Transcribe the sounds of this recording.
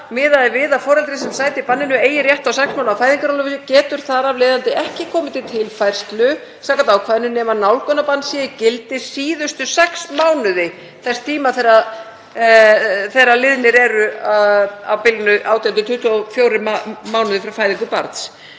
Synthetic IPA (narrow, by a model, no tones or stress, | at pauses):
mɪːðaðɪvɪðafɔːɾɛlt̪ɾɪs̬ɛmsaːjt̪ɪpanːɪnʏeːjɪrjɛht̪awsɛksmawnawfaːjðiŋkaɾawlʏvɪscɛːt̪ʏɾ̥θaɾavleːjðant̪ɪʔɛhcɪkʰɔːmɪt̪ɪt̪ʰɪlfajr̥st̪lʏ | saːkant̪aːwkʰvaːðnʏnɛːmanawlkœnapanːsjɛcɪlt̪ɪsiːðʏst̪ʏsɛksmaːwnʏðɪ | θɛst̪ʰiːmaθɛɾa | θɛɾalɪðnɪɾɛɾʏaa̰wpɪlnʏʔawt̪jant̪̬ʏt̪ʰʏht̪ʰɔfjoːwɾɪmmaːwnʏðɪfɾawfaːjðiŋkʏpa̰ɾt̪s